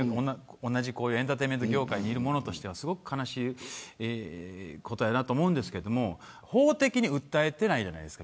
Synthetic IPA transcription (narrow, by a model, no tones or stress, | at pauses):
onːõnːaʑiko̞ːjɯent̪at̪eime̞nt̪oɡʲo̞ːkaiɲ̟iːɾɯ̟mo̞no̞t̪o̞ɕi̥t̪e̞βasɨɡo̞kɯ̟̥kʰanaɕiː | ko̞t̪o̞janat̪oːmo̞ɯ̃nd̪e̞sɨ̥ke̞ɾe̞d̪omo̞ | ho̞ːt̪e̞kʲiɲ̟iɯ̟t̪ːae̞t̪e̞naid͡ʑana̰id̪e̞sɨ̥ka